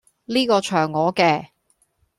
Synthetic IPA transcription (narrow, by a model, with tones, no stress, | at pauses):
liː˥kɔː˧t͡ʃʰœː˨˩ŋːɔː˨˧kɛː˧